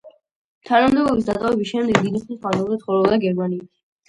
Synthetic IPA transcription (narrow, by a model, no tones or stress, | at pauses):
t̪ʰanamd̪ɛbɔbis̬d̪at̪ʼavɛbisʃɛmd̪ɛɡd̪id̪iχlisazɛlˠzɛt̪χɔɾɛvd̪aɡɛɾmaniːt̪ʰi̥